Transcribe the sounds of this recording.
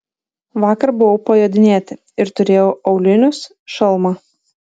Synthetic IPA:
ʋɑːkɐɾbʊʋɐʊpɐjod̪ʲɪnʲeːt̪ʲɪ | ɪɾt̪ʊɾʲeːjoːʔɐʊlʲɪnʲʊs | ʃɐlˠmɐ

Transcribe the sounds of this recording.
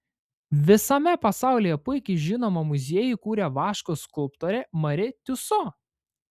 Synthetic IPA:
ʋʲɪsɐmʲɛpɐsɑˑʊlʲeːjɛpʊɪkʲɛɪʒʲɪnoːmɐmʊzʲiɛjʊkuːɾʲeʋɑːʃkoːskʊlp̚t̪oːɾʲemɐɾʲɪt̪ʲʊso

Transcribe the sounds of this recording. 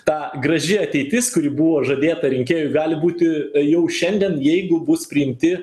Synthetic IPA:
t̪ɑːɡɾɐʒʲɪɐt̪ʲɛɪt̪ʲɪskʊɾʲɪbʊʋoːʒɐːd̪ʲeːt̪ɐɾʲɪŋʲkʲeːjʊɪɡɑːlʲɪbuːt̪ʲɪjɛʊʃʲɛnʲd̪ʲɛnjɛɪɡʊbʊspʲɾʲɪɪmʲt̪ʲɪ

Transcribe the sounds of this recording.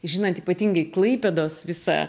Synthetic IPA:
ʒʲɪnɐnt̪iːpɐt̪ʲiːŋɡɐɪklˠɐɪpʲɛd̪oːsʋʲɪsɐ̰

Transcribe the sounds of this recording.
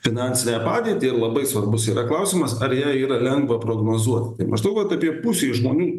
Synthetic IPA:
fʲɪnɑnʲsʲɪnʲæːpɑːd̪ʲiɛt̪ʲiːɪɾlˠɐbɐɪsʋɐrbʊsiːɾɐklˠɐʊsʲiːmɐsɐɾjæːiːɾɐlʲɛŋɡʋɐpɾoːɡnoːzuɔt̪ʲt̪ɐɪmɐ̰ʒnɐʊʋɐt̪ɐpʲiɛpʊsʲeːʒmoːnʲuː

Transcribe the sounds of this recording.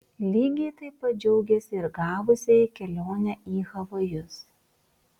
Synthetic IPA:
lʲiːɡʲɛɪt̪ɐɪpɐt̪̚d͡ʒʲɛʊɡʲɛsʲɪɪɾɡɑːʋʊsʲeikʲɛlʲoːnʲɛʔiːɣɐʋɐjʊs

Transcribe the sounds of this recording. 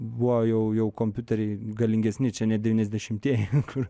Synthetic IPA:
bʊʋojɛʊjɛʊkoːmʲpʲʊt̪ʲɛɾʲɛɪɡɐlʲɪŋʲɡʲɛsʲnʲɪt͡ʃʲɛnʲɛd̪ʲɛʋʲiːnʲɛzd̪ʲɛʃʲɪmt̪ʲiɛjɛkʰʊr

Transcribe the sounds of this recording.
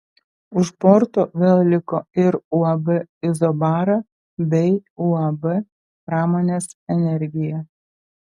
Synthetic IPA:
ʊʃpɔɾt̪oːʋʲeːlˠlʲɪkoːɪɾʊɐbɛɪzɔbɑːɾɐ | bʲɛɪʊɐbɛ | pɾɑːmoːnʲeːsɛnʲɛɾʲɡʲɪjɛ

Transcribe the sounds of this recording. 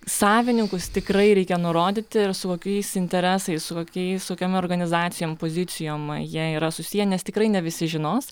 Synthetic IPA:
sɑːʋʲɪnʲɪŋkʊst̪ʲɪkrɐɪɾʲɛɪkʲɛnʊɾoːd̪ʲɪt̪ʲɪɪrsʊkoːkʲɛɪsɪnʲt̪ʲɛɾʲæːsɐɪssʊkoːkʲɛɪskoːkʲoːmoːɾɡɐnʲɪzɑːt̪sʲɪjoːmpoːzʲɪt̪sʲɪjoːmjiɛiːɾɐsʊsʲijɛnʲɛst̪ʲɪkɾɐɪnʲɛʋʲɪsʲɪʒʲɪnoːs

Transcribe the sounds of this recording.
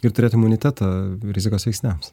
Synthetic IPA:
ɪɾt̪ʊɾʲeːt̪ɪmʊnʲɪt̪ʲæːt̪ɑɾʲɪzʲɪkoːsʋʲɛɪksʲnʲɛms

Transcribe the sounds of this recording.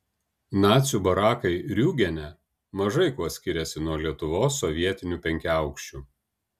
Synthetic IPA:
nɑːt̪sʲubɐɾɑːkɐɪɾʲuːɡʲɛnʲɛ | mɐʒɐɪkuɔsʲkʲɪɾʲɛsʲɪnuɔlʲiɛt̪ʊʋoːsːɔʋʲiɛt̪ʲɪnʲupʲɛŋʲkʲæˑʊkʃʲt͡ʃʲuː

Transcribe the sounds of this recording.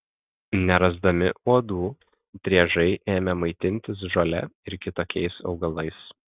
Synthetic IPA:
nʲɛɾɐzd̪ɐmʲɪ̰uɔd̪uː | t̪ʲɾʲiɛʒɐɪʔeːmʲɛmɐɪt̪ʲɪnʲt̪ʲɪs̬ʒolʲɛ̰ɪɾkʲɪt̪oːkʲɛɪsɒ̰ʊɡɐlˠɐɪs

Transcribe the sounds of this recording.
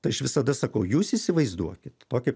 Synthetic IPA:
t̪ɐɪɐʃʋʲɪsɐd̪ɐsɐkɐʊjuːsiːsʲɪʋɐɪzd̪uɔkʲɪt̪t̪oːkʲɛ

